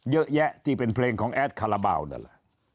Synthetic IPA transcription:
jɤ˦˥ʔjɛ˦˥ʔt̪ʰi˦˧˩pe˧npʰleː˧ŋkʰɔː˩˦ŋʔɛː˦˥t̪̚kʰa˧la˧ba̰ː˧˩wnɯ̰˧˩la˨˩

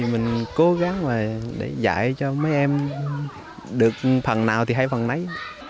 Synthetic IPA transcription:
i˨˩mï˨˩ŋ̟ko˨˦ɣa˨˦ŋvaː˨˩ɗḛ˧˩za̰ː˧˨jt͡ɕɔ˧mə˨˦jʔɛ˧m | ɗɨ˨˩ək̚fə˨˩nnaː˨˩wt̪ʰi˨˩ɦa˧˩jfə˨˩nna˨˦j

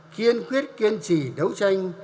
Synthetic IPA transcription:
ki˧ənkwi˦˥ət̚ki˧ənt͡ɕi˧˩ɗə˨˦wt͡ɕa˧jŋ̟

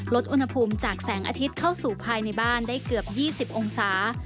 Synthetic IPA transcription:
lo˦˥t̪̚ʔu˧nha˧pʰuː˧mt͡ɕaː˨˩k̚sɛː˩˦ŋʔa̰ː˧t̪ʰi˦˥t̪̚kʰa˥˩wsuː˨˩pʰaː˧jna˧jbaː˥˩ndaː˥˩jkɯ˨˩əp̚jiː˥˩si˨˩p̚ʔo˧ŋsaː˩˦

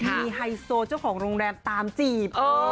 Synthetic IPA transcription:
iː˧ha˧jsoː˧t͡ɕa˥˩wkʰɔː˩˦ŋɾoː˧ŋɾɛː˧mt̪aː˧mt͡ɕiː˨˩p̚ʔoː˧

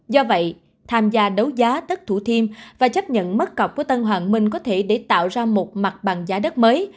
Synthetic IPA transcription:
zɔ˧və̰˧˨j | t̪ʰaː˧mzaː˧ɗə˨˦wzaː˨˦ɗ̪ə˦˥t̚t̪ʰu˧˩t̪ʰi˧əmvaː˨˩t͡ɕə˦˥p̚ɲə̰˧˨nmə˦˥t̚kə˨˩wk͡pku˧˩ət̪ə˧nɦwaː˨˩nmï˧ŋ̟kɔ˨˦t̪ʰe˧˩ɗe˧˩t̪a̰ː˧˨wzaː˧mo˨˩t̚ma˨˩t̚ɓa˨˩ŋzaː˨˦ɗə˦˥t̚məː˨˦j

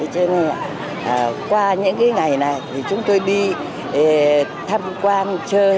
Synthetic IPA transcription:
t͡ɕə˧˦nə˧ja̰ː˧˨˩ | ʔːkwaː˧ɲɨ̰˧˥ŋkaː˨˦jŋa˨˩jna˨˩jt̪ʰi˨˩t͡ɕʊ˨˦ŋ͡mt̪o˧jɗi˧˨˩ | t̪ʰa˧mkwaː˧nt͡ɕəː˧

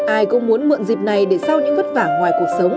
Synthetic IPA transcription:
ʔaː˧jkʊ̰˧˥ŋ͡mmu˨˦ənmɨ̰˧˨nzi˨˩p̚na˨˩jɗe˧˩sa˧wɲɨ̰˧˥ŋvə˦˥t̚vaː˧˩ŋŋwaː˨˩jku˨˩ək̚sə˨˦wŋ͡m

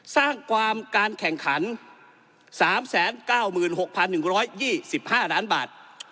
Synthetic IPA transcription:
saː˥˩ŋkʰwaː˧mkaː˧nkʰɛ˨˩ŋkʰa˩˦n | saː˩˦msɛː˩˦nkaː˥˩wmɯː˨˩nho˨˩k̚pʰa˧nːɯ˨˩ŋɾɔː˦˥jjiː˥˩si˨˩p̚haː˥˩laː˦˥nbaː˨˩t̪̚

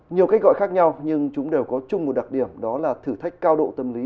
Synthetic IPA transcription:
ɲi˨˩əwkaː˨˦˥k̚ɣɔ̰˧˨jxaː˦˥k̚ɲa˧wɲɨ˧ŋt͡ɕʊ˨˦ŋ͡mɗe˨˩wkɔ˨˦t͡ɕʊ˧ŋ͡mmo˨˩t̚ɗa˨˩t̚ɗi˧˩əmɗɔ˨˦laː˨˩t̪ʰɨː˧˩t̪ʰa˦˥jk̟̚kaː˧wɗo̰˧˨t̪ə˧mli˨˦

